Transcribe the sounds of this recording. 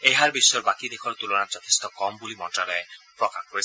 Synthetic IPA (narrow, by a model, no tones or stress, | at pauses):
ejɦaɾbiʃːoɾbakid̪ekʰoɾt̪ulonaɾt͡ɕɔt̪ʰe̥st̪ɔkɔmbulimɔnʈɾaɾɔepɾɔkakkoɾet͡ɕʰe